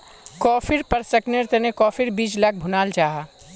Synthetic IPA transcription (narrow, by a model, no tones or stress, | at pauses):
kɔːfʰiɾpɐɾsɐknɪɾt̪ənekɔːfʰiɾbiːd͡ʒlak̚ʰbʱʊnaːld͡ʒaːɦa